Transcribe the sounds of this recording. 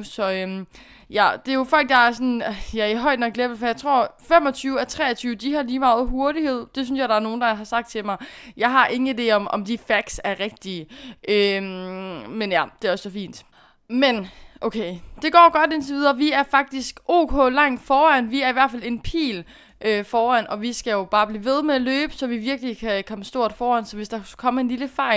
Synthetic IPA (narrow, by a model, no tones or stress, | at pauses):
sɒ̽øm | jæd̥e̝jo̝fɒ̽l̰ɡ̥̚d̥ɑ̈æɐsɒ̽njæɐiɦɒ̽ɪ̰d̥nɒ̽ɡɡ̥leb̥̩fɒ̽jɑ̈ɪt͡sʰʁo̝ɐ̰fem̰ɒ̽t͡sʰyːʊɒt͡sʰʁɛ̰ːɐt͡sʰyːʊd̥ihɑ̈liːmɑ̈ːð̩ˠɦo̝ɐɾihe̝ð̞̰ˠd̥e̝synsjɑ̈ɪɾ̥ɑ̈æɐno̝ːn̩d̥ɑ̈ɦɑ̈sɑ̈ɡ̥d̥̚t͡sʰe̝mɑ̈ɪjɑ̈ɪɦɑ̈ʔe̝ŋəid̥e̝̰ːɒ̽mɒ̽md̥ifæɡ̥sæɐʁɛɡ̥̚d̥iːʔø | menjæd̥e̝æɒ̽ssɒfḭːnd̥ | menʔoʊkʰeɪd̥e̝ɡ̥ɒ̰ːɡ̥ɒ̽d̥e̝nt͡sʰe̝ʋiːð̞ˠɐʋiæɐfɑ̈ɡ̥̚d̥isɡ̥ʔo̝̰ːkʰɔ̰̽ːlɑ̈ŋ̰d̥fɒːæn̰ʋiæɐiʋæɐfæle̝npʰḭːl | ʔøfɒːæn̰ɒ̽ʋisɡ̥æjo̝b̥ɑ̈ːb̥liːʋe̝ð̞ˠmeæløːb̥əsɒ̽ʋiʋiɐɡ̥likʰækʰɒ̽məsd̥o̝ɐ̰d̥fɒːæn̰sɒ̽ʋe̝sd̥ɑ̈kʰɒ̽m̰ɐe̝nliləfɑ̈ɪ̰